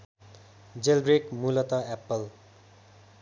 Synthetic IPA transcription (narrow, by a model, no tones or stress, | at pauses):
d͡zelbrekmulʌt̪ʌɛpːʌl